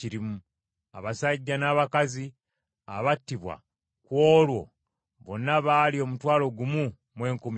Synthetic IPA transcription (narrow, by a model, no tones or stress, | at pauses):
iɾimu | a̰βasaɟːanaːβakazi | aβatːiβwa̰ | kwoːlwo̞̰ | βonːaβalio̞mutwaːlo̞ɡumu | mwe̞ːŋkum